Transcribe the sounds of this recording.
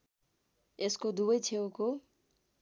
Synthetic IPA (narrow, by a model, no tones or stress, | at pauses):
eskod̪ubʌjt͡sʰewko